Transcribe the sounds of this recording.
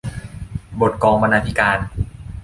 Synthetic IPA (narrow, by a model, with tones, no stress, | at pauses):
bo˨˩t̪̚kɔː˧ŋba˧naː˧t̪ʰi˦kaː˧n